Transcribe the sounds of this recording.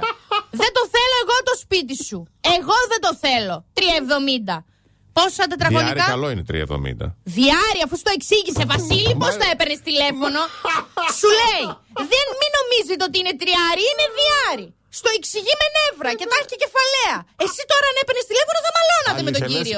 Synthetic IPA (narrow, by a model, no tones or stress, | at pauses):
ðe̞t̪o̞θe̞lo̞e̞ɣo̞t̪o̞spit̪̬isue̞ɣo̞ðed̪o̞θe̞lo̞t̪ɾiɐevðo̞mind̪ɐ | po̞sɐt̪̬e̞t̪ɾɐɣo̞nikkɐɐloinet̪ɾḭɐ̰vðo̰mḭnd̪ɐ̰ðiɐɾiɐfust̪o̞eksiʝisevɐsilipo̞st̪ɐe̞penest̪ile̞fo̞no̞sule̞i | ðe̞nmino̞mizet̪eot̪̬iine̞t̪ɾiɐɾiine̞ðiɐɾi | st̪o̞eksiʝime̞ne̞vɾɐce̞t̪ɐcece̞fɐle̞ɐe̞sit̪o̞ɾɐɐne̞penest̪ile̞fonoθɐmɐlo̞nɐt̪emet̪oɟiɾio̞